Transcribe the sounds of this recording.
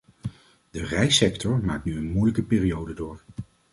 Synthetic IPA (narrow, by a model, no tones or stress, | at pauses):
dərɛjsɛktɔɹma̰ːk̚tnyənmujləkəpɪːrijowdədʊːɹ